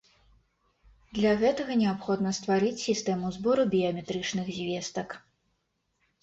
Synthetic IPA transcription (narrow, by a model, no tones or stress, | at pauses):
d̪lʲaɣɛt̪ɐɣɐnʲɛapxɔd̪nɐst̪vaɾɨt͡sʲsʲist̪ɛmuzbɔɾubʲiɐmʲɛt̪ɾɨt͡ʂnɨɣzʲvʲest̪ɐk